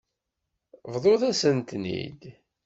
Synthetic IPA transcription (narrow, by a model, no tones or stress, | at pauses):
vðˤoθæsənt̪nḭd̪